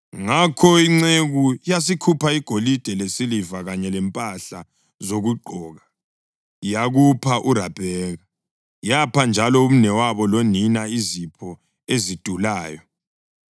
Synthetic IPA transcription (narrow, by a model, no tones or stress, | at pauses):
ŋakʰɔiŋ͡ǀeɣujas̬ikʰupʰaiɡ̥ʱolid̥ʱɛlesilivaɣaɲɛlɛmpʼaɬa | zoɣuɡ͡ǃʱɔːɣa | jaɣupʰaʔuɾab̥ʱɛːɣa | japʰand͡ʒʱalɔum̩nɛwaβɔloninaizipʰɔ | ezid̥ʱulaːjɔ